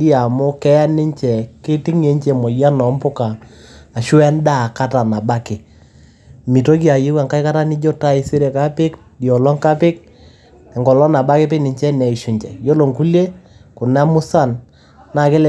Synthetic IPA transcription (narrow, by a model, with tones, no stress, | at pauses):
di˦a˨mʊ˦kɛ˦ja˦nɪ˦ɲt͡ʃɛ˨kɪ˦tɪ˦ŋe˨˦ɲt͡ʃe˨mɔ˨ja˦nɔ˨˦mpʊ˦kaː˨ | ʃʊ˦ɛ˦nda˦˨ka˦ta˨na˨ba˦kɪ˨ | mi˨to˦k̬i˦a˨je˦wa˨ŋka˦ɪ˦ka˦ta˦nɪ˦d͡ʒo˦ta˦ɪ˨sɪ˦ɾe˨ka˦pɪ˦k | di˨ɔ˨lɔ˦ŋka˦pɪ˦k̚ | ɛ˨ŋɡɔ˨lɔ˦na˨ba˦kɪ˦pɪ˦nɪ˨ɲt͡ʃɛ˦nɛ˨i˨ʃu˨ɲt͡ʃɛ̰˨jo˦lo˨ŋku˦lje˦kʊ˨na˦mʊ˦sa˦˨n | na˨kɪ˦l